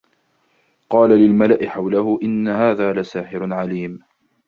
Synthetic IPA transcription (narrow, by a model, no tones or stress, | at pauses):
qɑːlalɪlmalaʔɪħawlahʊʔɪnːahaːðaːlasaːħɪɾʕaliːm